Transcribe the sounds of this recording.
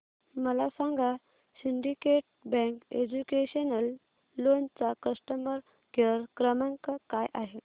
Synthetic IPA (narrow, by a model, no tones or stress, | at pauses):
məlasãŋɡa | siɳɖikeʈ̚bɛ̃ŋkḛd͡ʑukeɕənəlː | ont͡sakəsʈəməɾ | kəɾkɾəmaŋkakajʔaɦe